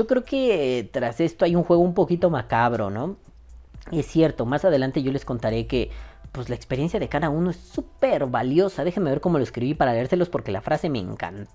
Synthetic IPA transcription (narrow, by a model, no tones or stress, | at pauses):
okɾe̞oket̪ɾase̞st̪o̞ajuŋxweɣumpo̞kit̪o̞makaβɾo̞̰no̞ | e̞sːje̞ɾt̪o̞masað̞e̞lant̪e̞ʝo̞le̞sko̞nt̪aɾe̞ke̞pwezlaekspeɾje̞nsjaðe̞kaðauno̞e̞supeɾβaljo̞saðe̞xeme̞βe̞ɾko̞mo̞loeskɾiβipaɾaleeɾse̞lo̞spo̞ɾke̞lafɾase̞mḛːŋka̰nt̪